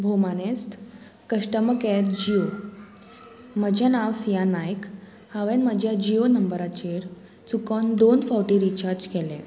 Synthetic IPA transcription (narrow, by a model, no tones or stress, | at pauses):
bʱomanest̪ | kəɕʈəməkɛɾd͡ʑio | məd͡ʑʱjanaʋsijanajk | haʋẽnməd͡ʑʱjad͡ʑionəmbəɾat͡ɕeɾ | t͡sukɔnd̪onfawʈiɾit͡ɕaɾd͡ʑkɛlẽ